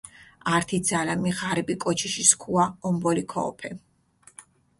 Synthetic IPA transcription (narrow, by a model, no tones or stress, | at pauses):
aɾt̪ʰid̪zalamiʁaɾibikʼɔt͡ʃʰiʃiskʰuaɔmbɔlikʰɔ̰ɔpʰɛ